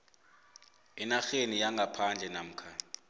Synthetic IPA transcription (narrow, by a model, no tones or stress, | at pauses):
ɛnaxenijaŋɡʱapʰand͡ʒʱɛnam̩ːkʰa